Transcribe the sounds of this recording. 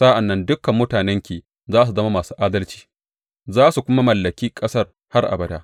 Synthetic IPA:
sa˦ʔa˨nːɐ˦ndʊ˦kːɐ˨mːʊ˦taː˨nɛ˦ŋkʲeː˨ | zaː˦s̬u˨zɐ˦ma˦maː˨suː˦ʔaː˦dɐ˦lt͡ʃi̥ː˦ | zaː˦su˨kʷʊ˦ma˦mɐ˨lːɐ˨kʲiː˦kʼɐ˦sɐ˦r | ha˦rʔa̰˨bɐ˦daː˦

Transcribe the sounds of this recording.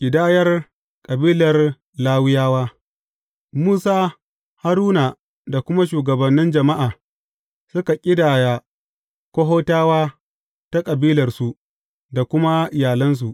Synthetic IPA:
ʔʲɪ˨daː˦jɐ˦r | kʼɐ˨biː˦lɐ˨r | laː˦wɪ˦jaː˦waː˦ | muː˦saː˦ | ha˦ɾuː˦na˨ | da˨kʷʊ˦ma˦ʃuː˨ɡɐ˨bɐ˨nːɪ˦nd͡ʒɐ˨ma˦ʔaː˨ | sʊ˦ka˨kʲʼɪ˦daː˨ja˨ | kʷo˦ɦoː˦taː˦waː˦ | ta˦kʼɐ˨biː˦lɐ˨rsu˨ | da˨kʷʊ˦ma˦ʔɪ˨jaː˨lɐ˦ns̬u˨ʔ

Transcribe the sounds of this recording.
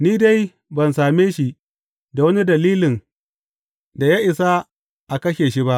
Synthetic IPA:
niː˦da˦j | bɐ˨nsaː˨meː˦ʃi˦ | da˨wɐ˦ni˦dɐ˨liː˦lɪ˨n | da˨jaː˦ʔɪ˨sa˦ | ʔa˨kɐ˦ʃeː˨ʃi˦ba˦ʔ

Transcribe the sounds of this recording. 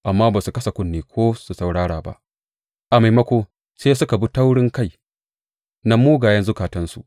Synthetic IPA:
ʔa˨mːaː˦baː˨su˨kɐ˦sa˨kʷʊ˦nːeː˨kʷʰoː˦su˨sa˨wɽaː˦ɽaː˨ba̰˦ʔ | ʔa˨ma˨jmɐ˦kʷoː˦ | seː˦sʊ˦ka˨bu˦ta˦wɽɪ˦ŋka˦˨j | na˦muː˦ɡaː˨jɐ˦nzʊ˦kaː˨tɐ˦nsṵ˨

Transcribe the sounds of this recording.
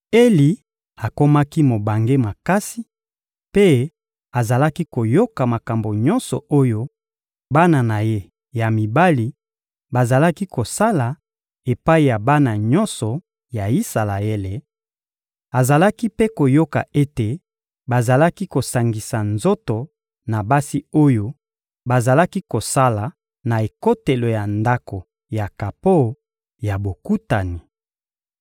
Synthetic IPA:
e˦li˨ | a˨ko˦ma˦ki˦mo˨ba˨ŋɡe˦ma˨ka˦si˦ | pe˦ | a˨za˨la˦ki˦ko˨jo˦ka˨ma˨ka˨mbo˨ɲɔ˦nsɔ̰˨o˦jo˦ | ba˦na˨na˨je˦ | ja˨mi˨ba˦li˨ | ba˨za˨la˦ki˦ko˨sa˦la˨ | e˨pa˦i˨ja˨ba˦na˨ɲɔ̃˦nsɔ˨ | ja˨i˦sa˨la˨e˦le˨ | a˨za˨la˦ki˦pe˦ko˨jo˦ka̰˨ʔe˦te˨ | ba˨za˨la˦ki˦ko˨sa˨ŋɡi˨sa˨nzo˦to˨ | na˨ba˦si˦o˦jo˦ | ba˨za˨la˦ki˦ko˨sa˦la˨ | na˨e˨ko˦te˨lo˨ja˨nda˦ko˨ | ja˨ka˨po˦˨ | ja˨bo˨ku˦ta˨ni˨

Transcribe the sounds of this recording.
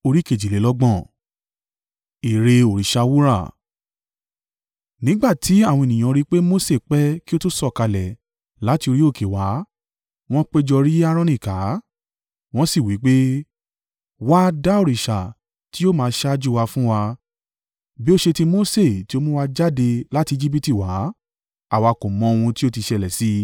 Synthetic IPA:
o˧ɾi˦ke˨d͡ʒi˨le˨˦lɔ˦ɡ͡bɔ̃˦˨ | i˨ɾe˧o˨ɾi˨ʃa˧wu˦ɾa̰˦˨ | nĩ˦ɡ͡ba˦˨tʰi˨˦a˦˨w̃ɔ̃˧e˨nĩ˨ã˧ɾi˦k͡pe˦mo˦se˦˨k͡pɛ˦ki˦o˦tu˦sɔ˦˨ka˧lɛ˨ | la˨˦ti˧o˧ɾi˦o˦˨ke˨wa˨˦ | w̃ɔ̃˦k͡pe˦d͡ʒɔ˧ɾi˦a˦˧ɾ̃ɔ̃˧nĩ˦˨ka˨˦ | w̃ɔ̃˦si˦˨wi˨˦k͡pe˦ | wa˦da˦o˦˨ɾi˨ʃa˨ | ti˦o˦mãː˧ʃa˦d͡ʒu˦˧wa˧fũ˦wa˧ | bi˦o˦ʃe˧ti˦mo˦se˦˨ti˦o˦mũ˦wa˧d͡ʒa˦de˧la˦ti˧d͡ʒi˦p̬i˦ti˦˨wa˨˦ | a˦˨wa˧ko˨mɔ̃˨˦o˧wũ˧ti˦o˦ti˧ʃɛ˧˨lɛ˨si˦

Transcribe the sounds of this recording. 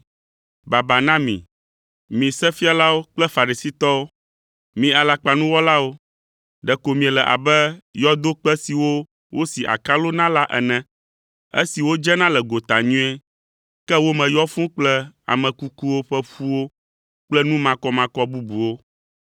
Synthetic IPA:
ba˨ba˨nã˦mḭ̃˨ | mĩ˨sɛ˦fi˦a˨la˦wo˦k͡plɛ˦fa˨ɾi˨si˦t̪ɔ˦wo˦ | mĩ˨a˨la˨k͡pa˨nũ˦wɔ˦la˦wo˦ | ɖɛ˨ko˨mĩ˨ɛ˨lɛ˨ʔa̰˨bɛ˦jɔ˦d̪o˦k͡pɛ˦si˨wo˦ | wo˦si˨ʔa̰˨ka˦lo˦nã˦la˦ʔɛ̰˨nɛ̃˨ | ḛ˦si˨wo˦d͡ʒɛ˦nã˦lɛ˨ɡo˨t̪a˨ɲũ˦ɛ˦ | kɛ˦wo˦mɛ̃˨jɔ˦fũ˦k͡plɛ˦a̰˨mɛ̃˨ku˦ku˦wo˦ɸɛ˦ɸu˦wo˦ | k͡plɛ˦nũ˦mã˦kɔ˦mã˨kɔ˦bu˦bu˨wo˦

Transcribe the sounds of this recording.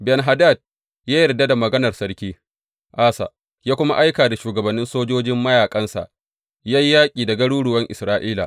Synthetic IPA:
bɛ˨nɦa˨daː˦˨d̚ | jaː˦jɐ˨rda˦da˨mɐ˨ɡɐ˦nɐ˨rsɐ˦ɽkʲiː˦ | ʔaː˦sa̰˨ | jaː˦kʷʊ˦ma̰˦ʔa˦jkaː˨da˨ʃuː˨ɡɐ˨bɐ˨nːɪ˦nsoː˦d͡ʒoː˦d͡ʒɪ˦mːɐ˦jaː˨kʼɐ˦nsa̰˨ʔ | ja˦jːaː˦kʲʼiː˨dɐ˨ɡɐ˦ɽuː˦ɽʊ˨wɐ˦ŋʔɪ̰˨sɾaː˦ʔiː˦la̰˨ʔ

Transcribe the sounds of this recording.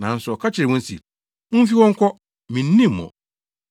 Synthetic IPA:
nã˨n̩˦sʊ˨ɔ˨kʰa˦t͡ɕʰɪ˨ɾɛ˨wɔ̃˦n˦sḭ˨ | m̩̃˦fi˦wɔ̃˦ŋ̩˦kʰɔ˦ | mĩ˨n̩ː˦ĩ˦mː˨ɔ̰̃˨

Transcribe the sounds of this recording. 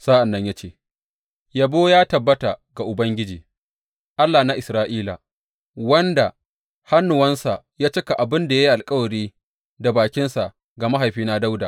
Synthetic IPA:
saː˦ʔa˨nːɐ˦ɲja˦t͡ʃeː˦˨ | ja˨boː˦jaː˦tɐ˨bːɐ˦ta˨ɡa˨ʔʊ˨bɐ˦ŋɡʲɪ˦d͡ʒiː˨ | ʔa˦lːaː˨na˦ʔɪ˨sɾaː˦ʔiː˦la̰˨ | wɐ˦nda˨ | ha˦nːʊ˨wɐ˦nsa˨ | jaː˦t͡ʃɪ˦ka˨ʔa˨bɪ˦nda˨ja˦i˦ʔa˨lkʼɐ˦wɐ˨ɾiː˦ | da˨baː˨kʲɪ˦nsa˨ | ɡa˨ma˦ɦa˨jɸiː˦na˦da˦wda̰ː˨

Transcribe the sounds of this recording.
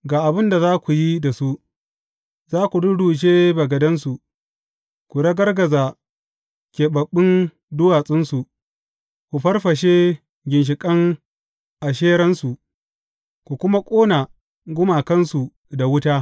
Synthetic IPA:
ɡaː˨ʔa˨bɪ˦nda˨zaː˦kʷu˨ji˦da˨su˦ | zaː˦kʷu˨dʊ˦ɽuː˨d͡ʒeː˦bɐ˨ɡɐ˨dɐ˦nsu˨ | kʷu˨ɽɐ˦ɡɐ˦rɡɐ˨za˨ | kʲeː˨bɐ˨ɓːɪ˦n | dʊ˦waː˨sʼɪ˦nsu˨ | kʷu˨ɸɐ˦rɸɐ˨ʃ̬e˦ | ɡʲɪ˨nʃ̬ɪ˨kʼɐ˦ŋ | ʔa˨ʃ̬eː˦ɾɐ˦nsu˨ | kʷu˨kʷʊ˦ma˦kʷʼoː˦na˨ | ɡʷʊ˦ma˨kɐ˦nsu˨ | da˨wʊ˦taː˦

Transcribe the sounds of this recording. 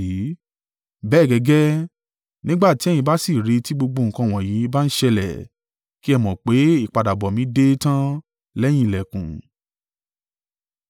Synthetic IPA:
i˨˦ | bɛː˦˨ɡɛ˧ɡɛ˦ | nĩ˦ɡ͡ba˦˨ti˨˦ɛ˦˨jĩ˧ba˦si˦˨ɾe˨˧ti˦ɡ͡bo˧ɡ͡bo˧ŋ̩˨kã˧˨w̃ɔ̃˨ji˨˦ba˦n̩˦ʃɛ˧lɛ̰˨ | ki˦ɛ˦˧mɔ̃˨k͡pe˨˦i˦˨k͡pa˨da˨bɔ˨mĩ˨˦de˦tã˦ | lɛ˦j̃ĩ˦i˨lɛ˨kũ˨

